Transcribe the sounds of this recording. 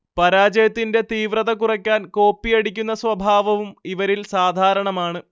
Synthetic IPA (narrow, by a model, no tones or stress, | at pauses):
pɐɾaːd͡ʑɐjɐt̪ːinde̞t̪iːʋrɐðɐkurɐkʲːaːnko̞ːpːiɐɽikʲːun̪ːɐsʋɐbʱaːʋɐʋumiʋɐɾilsaːd̪ʱaːɾɐɳɐmaːɳɨ